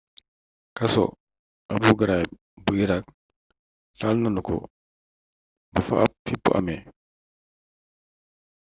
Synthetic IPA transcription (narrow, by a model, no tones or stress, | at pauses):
kɐso̰ | abuɡaɾa | buiɾak̚ | ɬalnanuko̰ | bufa̰ʔa̰p̚tipːṵʔa̰me